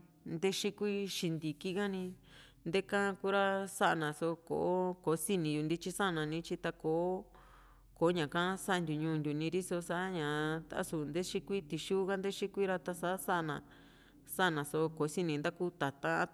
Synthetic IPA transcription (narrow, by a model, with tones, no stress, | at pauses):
nd̪e˦ʃi˦kʷi˦ʃi˧nd̪i˨ki˦ɣa˦nĩ˧ | nd̪e˦kã˦ku˦ɾa˦sa˦ʔnã˨so˧ko̰˨ʔo˦ko˨˦si˦nĩ˧ju˧nd̪i˦t͡ʃi˦sa˦ʔa˧nã˨nĩ˧˦t͡ʃi˧t̪a˧ko˨˦ | ko˨˦ɲã˨kã˦sa˦ʔnd̪ʲu˨ɲũː˧nd̪ʲu˨nĩ˧ɾi˦so˧sa˦ʔɲã˨t̪a̰˧ʔa̰˦su˨nd̪e˦ʃi˦kʷi˦t̪i˨ʃuː˦ɣa˦nd̪e˦ʃi˦kʷi˦ɾa˧t̪a˧sa˦sa˦ʔa˧nã˨ | sa˦a˧nã˨so˧ko˨˦si˦nĩ˧nd̪a˦ku˦t̪a˨t̪ã˦